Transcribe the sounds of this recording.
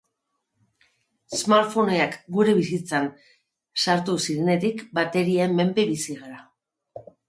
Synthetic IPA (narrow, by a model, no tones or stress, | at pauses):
esmaɾfo̞neakɡuɾe̞βisit͡san | saɾt̪usiɾe̞ne̞t̪ikbat̪e̞ɾiaemme̞mbeβisiɣaɾa